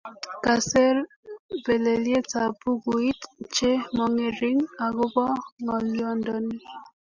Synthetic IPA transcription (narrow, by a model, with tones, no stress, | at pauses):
ka˨se˦ɾ | be˨le˨lje˦ta˨pu˦ɡu˨i˦tt͡ʃe˦mɔ˨ŋe˨ɾi˦ŋa˨ɡʊ˦bɔ˦ŋɔ˨ljɔ˦ndɔ˨ni˦